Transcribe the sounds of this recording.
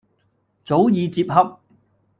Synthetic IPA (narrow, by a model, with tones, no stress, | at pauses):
t͡so˨˥wjiː˨˧t͡siː˧p̚hɐ˧p̚